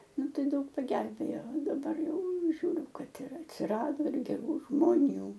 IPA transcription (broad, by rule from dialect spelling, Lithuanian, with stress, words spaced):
ˈnʊ ˈtɐɪ ˈdɐʊk pɐˈɡʲɛlʲbʲeːjoː dɐˈbɐr ˈjɛʊ ˈʒʲuːrʲʊ ˈkɐt ɪr ɐtʲsʲɪˈrɑːdoː ɡʲɛˈruː ʒmoːˈnʲuː